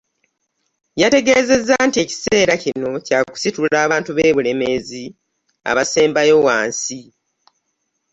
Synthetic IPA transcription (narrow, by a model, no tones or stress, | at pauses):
jate̞ɡe̞ːze̞zːantie̞ci̥se̞ːɾacino̞caːku̥situlaːβaːntuβe̞ːβule̞me̞zi | a̰βase̞ːmbajo̞wa̰ːnsi